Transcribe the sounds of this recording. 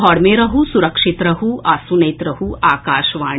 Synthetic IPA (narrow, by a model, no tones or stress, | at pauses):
ɦɔːɽmeɾɐɦusuɾɐkʂit̪ɾɐɦuʔaːsunɐjt̪ɾɐɦuaːkaːʃʋaː